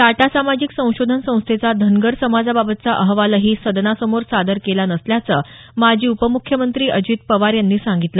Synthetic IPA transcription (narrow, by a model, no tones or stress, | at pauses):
t̪aʈasamad͡ʑiksə̃w̃ɕod̪ʱənsə̃w̃st̪ʰet͡sad̪ʱənɡəɾsəmad͡zababət̪̚t͡saʔəɦʋaləɦiːsəd̪nasəmoɾsad̪əɾkelanəsljat͡sə | mad͡ʑʱiːupəmukʰjəmənt̪ɾiːʔəd͡ʑiːt̪̚pəʋaɾjanːiːsãŋɡit̪lə